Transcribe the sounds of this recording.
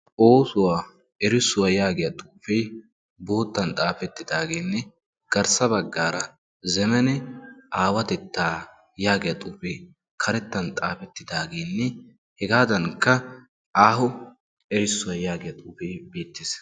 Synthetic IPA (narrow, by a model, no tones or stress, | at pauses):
ʔoːsʊwaː | ɛɾɪsːʊwɐjaːɡɪjɐt̪ʼuːfɛj | bo̞ːt̪ːɐnt̪ʼaːfɛt̪ːɪd̪aːɡeːnːɛ | ɡ̥ɐɾsɐbɐɡːaːɾɐ | zɛmɛnɛaːwɐt̪ɛt̪ːaː | jaːɡɪjɐt̪ʼuːfe | kʰɐɾɛt̪ːɐnt̪ʼaːfɛt̪ːɪd̪aːɡeːnːɛ | hɛɡaːd̪ɐŋkːɐ | aːhʊ | ɛɾɪsːʊwɐjaːɡɪjɐt̪ʼuːfeːbeːt̪ːɪs